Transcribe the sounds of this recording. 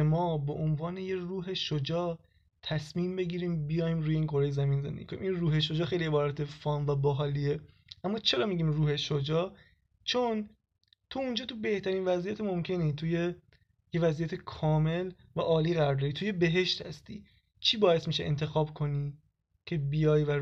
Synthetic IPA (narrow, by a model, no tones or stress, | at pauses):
emɒːbeʔonvɒːnejeruːɦe̞ʃod͡ʒɒː | t̪ʰæsmiːmbe̞ɟiːɾiːmbijɒːjimɾuːjeiːnkʰo̞ɾejezæmiːnzend̪ḛiːkonimʔinruːɦeʃ̬o̞d͡ʒɒːxe̞jlie̞bɒːɾæt̪ʰe̞fɒːnvæbɔɦɒːlie | ʔæmːɒːt͡ʃʰe̞ɾɒːmiɟiːmruːhe̞ʃod͡ʒɒː | t͡ʃʰon | t̪ʰuund͡ʒɒːt̪ʰube̞ht̪ʰæɾiːnvæzijæt̪emomcʰe̞niːt̪ʰuje̞ | jevæzijæt̪ʰe̞kʰɒːme̞l | væʔɒːliːɣæɾɾd̪ɒɾit̪ʰuje̞be̞ɦe̞ʃt̪hæ̰st̪ḭː | t͡ʃʰiːbɒːjest̪miʃeʔent̪ʰe̞xɒːbkʰo̞niː | cʰe̞bijɒːjvæ